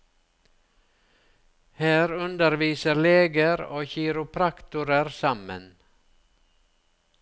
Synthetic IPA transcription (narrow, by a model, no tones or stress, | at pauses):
hæːɾʉnd̪əɾʋiːsəɾleːɡəɾo̰ːçiːɾʊpʰɾɑkt̪ʊɾəɾsɑmə̰n